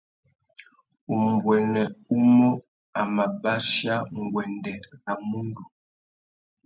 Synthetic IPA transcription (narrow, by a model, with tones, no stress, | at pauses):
u˨m˨bwɛ˨nɛ˨u˦mo˦ | a˨ma˨ba˦ʃja˦ŋ˨ɡwɛ˨ndɛ˨ɣa˨mu˦ndu˨